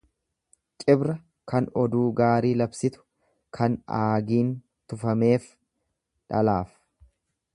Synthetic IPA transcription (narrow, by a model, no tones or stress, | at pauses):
t͡ʃʼɪbɾɐ | kɐnɔd̪uːɡaːɾiːlɐbsɪt̪ʊ̥ | kʰɐnaːɡiːn | t̪ʊfɐme̞ːf | ᶑɐlaːf